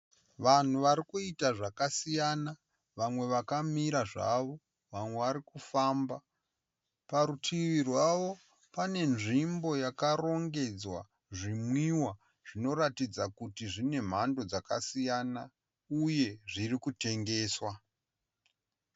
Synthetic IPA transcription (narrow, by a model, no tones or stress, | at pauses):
ʋan̤uʋaɾikuitaʐakasijana | ʋamwe̞ʋakamiɾaʐa̰ʋo̞ | ʋamwe̞ʋaɾikufaːmba | paɾutʰiʋirwaʋo̞ | pane̞nʐimbo̞jakaro̞ŋɡe̞d͡zwa | ʐimwiwa | ʐ̥ino̞ratid͡zakutiʐine̞m̤ando̞d͡zakasijana | uje̞ʐirikute̞ŋɡe̞ːswa